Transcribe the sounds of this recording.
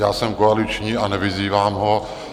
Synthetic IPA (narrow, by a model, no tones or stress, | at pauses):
jaːsɛmkoalɪt͡ʃɲiːanɛvɪziːvaːmɦo